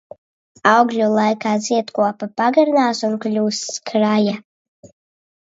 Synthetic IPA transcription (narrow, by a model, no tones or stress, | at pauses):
awɡlʲulˠajkaːziɛt̪kuɔpapaɡaɾnaːsunklʲuːskʰɾaja